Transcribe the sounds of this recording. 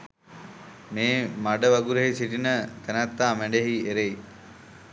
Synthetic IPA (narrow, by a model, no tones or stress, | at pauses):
meːmaɖəʋaɡuɾeɦisiʈinət̪ænæt̪ːaːmæɳɖeɦieɾej